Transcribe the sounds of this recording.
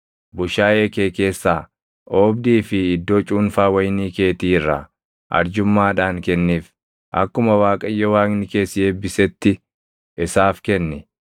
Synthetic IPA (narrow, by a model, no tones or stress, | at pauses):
bʊʃaːʔeːkeːke̞ːsːaː | ʔoːbd̪iːfɪːd̪ːoːt͡ʃʼuːnfaːwɐjniːke̞ːt̪iːrːɐ̰ | ʔɐ̰ɾd͡ʒʊmːaːᶑaːŋkɛnːiːf | ʔɐ̰kːʊmɐwaːkʼɐjːɐwaːknɪke̞ːsɪjeːbːɪsɛt̪ːɪ | ʔɪsaːfkɛnːɪ